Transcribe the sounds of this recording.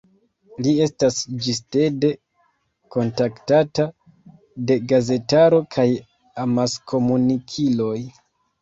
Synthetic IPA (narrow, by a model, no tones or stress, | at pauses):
lie̞stasd͡ʒiste̞de̞ | ko̞ntaktata | de̞ɡaze̞taɾo̞kʰaj | amaskʰo̞munikʰilo̞j